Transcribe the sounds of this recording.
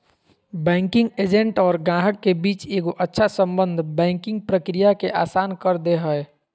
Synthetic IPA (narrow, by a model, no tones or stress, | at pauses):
bɛ̃ːŋkɪ̃ŋɡeːd͡ʒẽɳʈɔːɾɡãːɦəkːebiːt͡ʃeːɡoʔətːʃʰasə̃mbə̃nd̪ʱbɛ̃ːŋkɪ̃ŋɡ̚pɾəkɾijakeʔaːsaːnkəɾd̪eɦəɛ